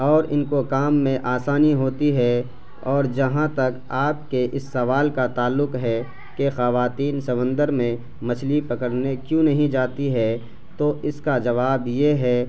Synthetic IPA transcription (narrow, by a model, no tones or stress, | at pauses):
ɔːɾɪnkokaːmːẽʔaːsaːniɦoːt̪iɦɛ | ɔːɾd͡ʒɐɦãt̪ɐk | aːp̚keʔɪsːɐʋaːlkat̪aːlːʊkɦɛ | kexɐʋaːt̪iːnsɐʋə̃nd̪əɾmẽ | mɐt͡ʃʰlipɐkəɽnekjũnɐɦĩd͡ʒaːt̪iɦɛ | t̪oɪskad͡ʒɐʋaːbjeɦɛː